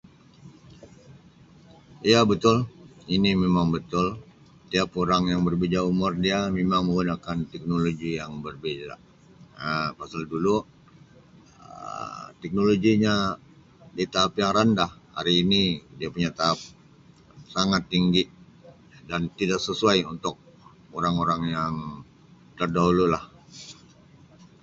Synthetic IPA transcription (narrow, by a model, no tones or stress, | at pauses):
iabət̪ʊlinimemaŋbət̪ʊl | t̪iapoɾaŋjaŋbərbed͡ʒaumʊrdiamemaŋməŋɡunakant̪ɛk̚noloɡijaŋbərbed͡ʒa̰ | əpasaldulu | ət̪ɛk̚noloɡiɲa | dit̪aɦapjaŋrandahha̰ɾiːnidiapuɲat̪aɦːp̚ | saŋat̪ːiŋɡiʔ | dant̪idak̚səsuajunt̪ʊk̚ | oɾaŋoɾaŋjaŋ | t̪ərdaɦululah